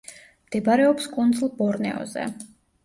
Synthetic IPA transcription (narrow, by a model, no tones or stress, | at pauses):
md̪̥ɛbaɾɛɔpskʼund̪zlˠbɔɾnɛ̰ɔ̰zɛ̰